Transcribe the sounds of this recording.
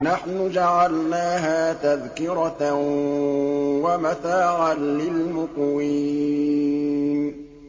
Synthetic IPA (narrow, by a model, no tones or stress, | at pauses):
naħnʊd͡ʒaʕalnaːɦaːt̪aðkɪɾa | wamaθaːɾɑnlɪlmʊqwiː | n